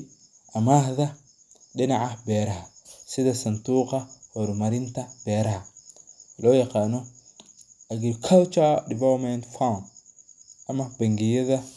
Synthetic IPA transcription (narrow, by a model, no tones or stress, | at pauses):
ʔɐmahðɐ | ɗɪnaʕɐbɛːɾɐɦɐsɪðɐsɐnt̪uːqɐhɔɾmɐɾɪnt̪ʰɐbɛːɾɐhɐ | lɔːjɑqɑːnɔ | ʔɐɡɪkʰɐlt͡ʃadɪvalmɛnt̪fawn | ʔɐmɐbɐŋɡɪjɐðɐ